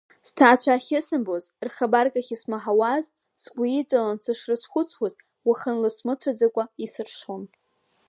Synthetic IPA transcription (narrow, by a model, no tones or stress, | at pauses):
stʰaːt͡ɕʷʰaχʲɪsɨmbozrχabarkʼaχʲismaħawaz | sɡʷiid͡zʼalansɨʂrɨsχʷʊt͡sʷʰwaz | waχənlɨsmɨt͡sʷʰad͡zakʷʼaisɨrʂon